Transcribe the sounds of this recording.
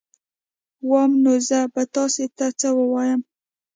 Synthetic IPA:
wɑmnozabat̪ɑset̪at͡səwəwɑjəm

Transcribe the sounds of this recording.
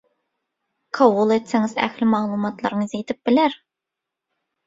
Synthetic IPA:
qʰɑwulˠet̪sɪŋɪzæ̰xlɪmɑlˠumɑt̪lˠɑ̰ɾnɨzet̪ʰɪp̚bɪlæɾ

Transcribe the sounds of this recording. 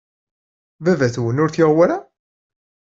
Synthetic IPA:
vævæθwənʊɾθjɪʁwæɾæ

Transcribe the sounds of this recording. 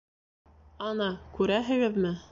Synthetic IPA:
ɑnɑkʉɾæɦɘ̆ɡɘðmɘ

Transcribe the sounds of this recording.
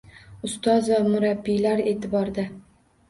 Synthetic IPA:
ʊst̪ɒzamʊɾabːilaɾe̞ːt̪ʰɪbɒɾd̪a

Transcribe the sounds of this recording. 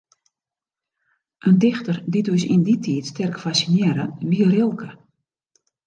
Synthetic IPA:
ʔəndɪxtərditysinditʰiːtstɛrkfasinɪəɾəʋiərɪlˠkʰə

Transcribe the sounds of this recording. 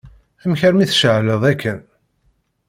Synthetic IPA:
æmçəɾmiθʃəʕləðˤækʰːən

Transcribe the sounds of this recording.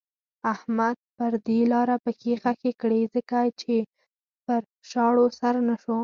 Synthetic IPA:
ahmad̪̚pəɾd̪elɑɾapəkexakekɽezəkat͡ʃe | pəɾ | ʃɑɽosaɾnaʃo

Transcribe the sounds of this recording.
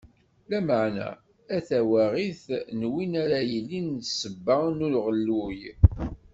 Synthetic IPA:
læməʕnæ̰ | æθæwæʁiθnwinæɾæjəlːinsəbːənulʁəlːuj

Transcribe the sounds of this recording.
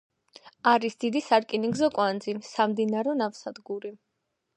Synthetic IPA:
aɾisd̪̥id̪isaɾkʼiniɡzɔkʼwand̪zinsamd̪inaɾɔnafsad̪ɡuɾi

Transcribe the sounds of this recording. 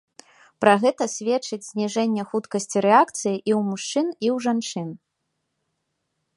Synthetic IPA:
pɾaɣɛt̪ɐsʲvʲɛt͡ʂɨd͡zʲzʲnʲiʐɛnʲːɛxut̪kɐsʲt͡sʲiɾɛakt̪sɨjiʔiwmuʂt͡ʂɨniwʐant͡ʂɨn

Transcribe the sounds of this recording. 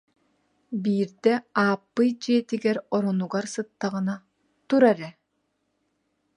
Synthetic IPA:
biːɾd̪ɛaːpːɯjd͡ʒiɛt̪iɡɛɾɔɾɔnuɡaɾsɯt̪ːaʁɯna | t̪uɾaɾɛ

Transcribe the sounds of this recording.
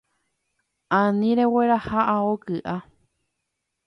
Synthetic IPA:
ãnĩɾeweɾahaʔaokɨʔa

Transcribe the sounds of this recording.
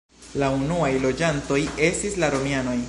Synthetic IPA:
launuajlo̞d͡ʒanto̞je̞stislaɾo̞miano̞j

